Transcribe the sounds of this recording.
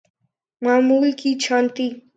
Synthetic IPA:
maːmuːlkit͡ʃʰãːnt̪i

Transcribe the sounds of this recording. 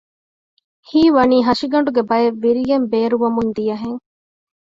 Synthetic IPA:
hiːʋɐniːɦɐʃiɡɐɳ̆ɖuɡebɐjeʋːiɾijembeːɾuʋɐmund̪ijɐɦeŋ

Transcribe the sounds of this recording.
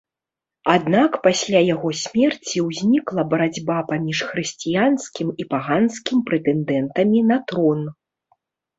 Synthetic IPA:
ad̪nakpasʲlʲajaɣɔsʲmʲɛrt͡sʲiwzʲnʲiklˠɐbɐɾad͡zʲbapamʲiʂxɾɨsʲt͡sʲijanskʲimipaɣanskʲimpɾɛt̪ɛnd̪ɛnt̪ɐmʲinɐt̪ɾɔn

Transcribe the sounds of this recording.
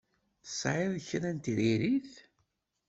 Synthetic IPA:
θə̥sˤʕɪðçɾænt̪iɾiɾiθ

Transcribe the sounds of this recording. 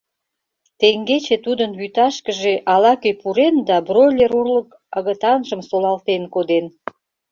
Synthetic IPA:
t̪eŋɡet͡ɕet̪ud̪ənβyt̪ɑʃkəʒeʔɑlɑkøpuɾend̪ɑbrolʲeɾurlək | əɣət̪ɑnʒəmsolɑlt̪enkod̪en

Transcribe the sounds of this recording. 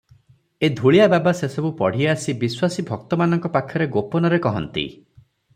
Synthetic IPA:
ed̪ʱuɭijababasesɔbupɔɽ̤ieːsibiswasibʱɔkt̪ɔmanɔŋkɔpakʰjɔɾeɡopɔnɔɾekɔɦɔ̰nt̪ḭ

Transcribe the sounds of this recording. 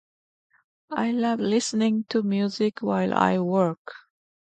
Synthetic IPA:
aɪlʌvlɪsnɪ̃ŋtʰumjuzɪkʰwa̰ɪlˠa̰ɪwɜ˞k

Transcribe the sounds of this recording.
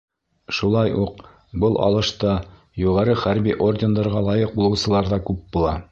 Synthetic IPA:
ʃulˠɑjʔuq | bɤlˠɑ̰lˠɤ̆ʃt̪ɑ | juʁɑɾɘχæɾbiʔo̞rdʲend̪ɑɾʁɑlˠɑjɤq̚bulˠɤ̆wsɤ̆lˠɑɾðɑkʉp̚bulˠɑ

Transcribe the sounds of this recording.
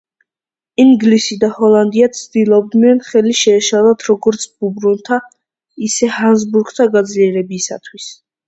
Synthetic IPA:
iŋɡlisid̪ahɔlˠand̪iat̪sʰd̪̥ilˠɔb̚d̪nɛnχɛliʃɛːʃalˠat̪ʰɾɔɡɔɾt̪sʰb̥ubɾunt̪ʰa | isɛhanzbuɾɡt̪ʰaɡad̪zliɛɾɛbisa̰t̪ʰwis

